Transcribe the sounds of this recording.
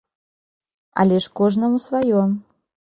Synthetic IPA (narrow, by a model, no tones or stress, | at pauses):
ɐ̰lʲɛʂkɔʐnɐmusvajɔ